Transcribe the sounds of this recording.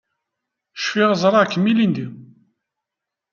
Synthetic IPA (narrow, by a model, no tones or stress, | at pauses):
ʃfɪʁzˤɾˤɑkːəmːilind̪i